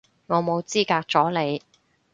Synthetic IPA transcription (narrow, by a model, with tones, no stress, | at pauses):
ŋɔː˨˧mo˨˧wt͡siː˥kaː˧k̚t͡sɔː˨˥le˨˧j